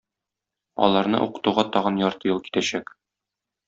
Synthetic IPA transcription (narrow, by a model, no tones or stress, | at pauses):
ɒ̰lˠɑɾnɤ̰ʔuqɤ̥̆t̪uʁɑt̪ɒʁɤnjɒɾt̪ɤjɤlˠki̥t̪æɕæk